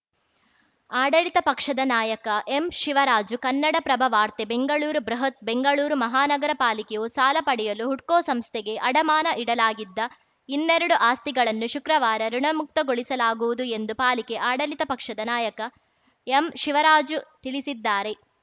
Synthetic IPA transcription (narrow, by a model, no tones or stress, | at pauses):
aːɽɐlit̪ɐpɐkʂɐd̪ɐnaːjɐkɐʔemʃiʋɐɾaːd͡ʒukɐnːɐɽɐpɾɐbʱɐʋaːɾt̪ebe̞ŋɡɐɭuːɾubɾɐɦɐt̪̚be̞ŋɡɐɭuːɾumɐɦaːnɐɡɐɾɐpaːlikejusaːlɐpɐɽɛjɐluɦuʈkoːsɐmst̪ʰɛɡe̞ʔɐɽɐmaːnɐʔiɽɐlaːɡid̪ːɐ | inːeɾɐɽuʔaːst̪iɡɐɭɐnːuʃukɾɐʋaːɾɐɾuɳɐmuk̚t̪ɐɡoɭisɐlaːɡuʋud̪ue̞nd̪upaːlike̞ʔaːɽɐlit̪ɐpɐkʂɐd̪ɐnaːjɐkɐ | emʃiʋɐɾaːd͡ʒut̪iɭisid̪ːaːɾe̞